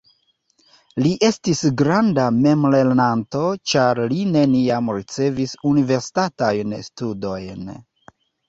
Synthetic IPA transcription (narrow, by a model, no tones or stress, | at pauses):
liʔe̞stisɡɾandame̞mle̞ɾnanto̞t͡ʃaɾline̞niamɾit͡se̞visunive̞ɾsi̥tatajnstudo̞jn